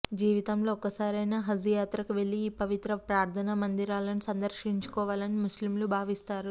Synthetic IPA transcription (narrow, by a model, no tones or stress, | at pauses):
d͡ʒiːʋit̪ɐmlo̞ːkːɐsaːɾɐjnaːɦɐsujaːt̪ɾɐkuʋe̞ɭːiːpɐʋit̪ɾɐpɾaːɾt̪ʰɐnɐmɐnd̪iɾaːlɐnisɐnd̪ɐɾʃiɲt͡ʃu̥kɔːʋaːlɐnimuslimlubʱaːʋist̪aːɾu